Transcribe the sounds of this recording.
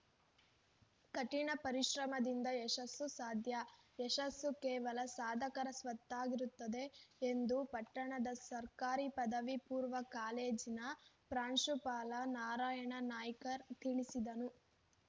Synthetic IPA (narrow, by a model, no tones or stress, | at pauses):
kɐʈiɳɐpɐɾiʃɾɐmɐd̪ind̪ɐeʃɐsːusaːd̪ʱjɐeʃɐsːukɛːʋɐlɐsaːd̪ʱɐkɐɾɐsʋɐt̪ːaːɡiɾut̪ːɐd̪e̞ːnd̪upɐʈːɐɳɐd̪ɐsɐɾkaːɾipɐd̪ɐʋipuːɾʋɐkaːleːd͡ʒinɐpɾaːɳʃupaːlɐnaːɾaːjɐɳɐnaːjɐkɐt̪iɭisid̪ɐnu